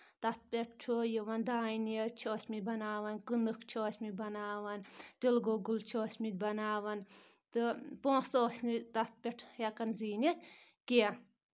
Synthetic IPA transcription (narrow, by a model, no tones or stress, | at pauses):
t̪ɐt̪̚pʲeʈ̚ʰt͡ʃʰojiʋɐnd̪aːiniet͡ʃʰoːsʲmibɐnaːʋɐnkɨnɨkt͡ʃʰoːsʲmibɐnaːʋɐnt̪ilɡoɡult͡ʃʰoːsʲmit̪̚ʲbɐnaːʋɐn | t̪ɨpõːsoːsnit̪at̪̚pʲeʈʰjɐkɐnziːnet̪ʰʲ | ke